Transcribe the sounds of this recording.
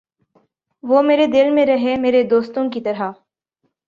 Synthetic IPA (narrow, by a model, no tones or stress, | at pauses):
ʋomeːɾed̪ɪlmẽɾɐɦemeːɾed̪oːst̪õkit̪ɐɾɦa